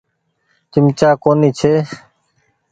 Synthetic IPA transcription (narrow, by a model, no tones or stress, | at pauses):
t͡ʃɪmt͡ʃaːkoːniːt͡ʃʰeː